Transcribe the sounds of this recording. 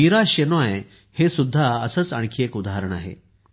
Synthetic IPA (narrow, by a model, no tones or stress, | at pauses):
iɾaɕenaj | hesud̪ʱːaəsət͡sə̰ɳ̃kʰijekud̪ʱaɦaɾəɳa̰ɦḛ